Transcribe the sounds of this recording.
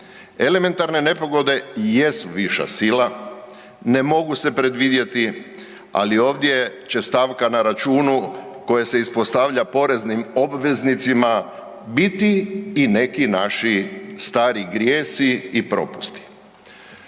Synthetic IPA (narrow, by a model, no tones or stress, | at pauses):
e̞leme̞nt̪aɾne̞ne̞po̞ɡo̞d̪e̞jesuʋiʃa̰sila | ne̞mo̞ɡuse̞pɾe̞d̪ʋid̪je̞t̪i | a̰lio̞ːʋd̪je̞t͡ɕe̞st̪aʋkanaɾat͡ʃuːnuko̞jese̞ispo̞st̪aʋʎapo̞ɾe̞znimo̞bʋe̞znit̪sima | bit̪iːne̞kinaʃist̪aːɾiɡɾjeːsiipɾo̞̰pu̥st̪i̥